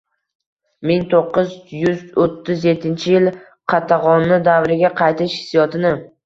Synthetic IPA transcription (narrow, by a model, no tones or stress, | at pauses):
mɪŋt̪ʰoqːɨzjʊzot̪ʰːɪzjet̪ʰːɪnt͡ʃʰɪjɪl | qʰɑt̪ʰɑʁɒnːɪd̪avɾɪɡʲaqʰɑjt̪ʰɪʃhɪ̥sjɒt̪ʰɪnɪ